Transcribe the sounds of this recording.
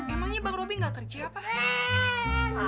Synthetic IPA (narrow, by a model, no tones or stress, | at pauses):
memaŋɲabaŋrobiŋɡakərd͡ʒaapa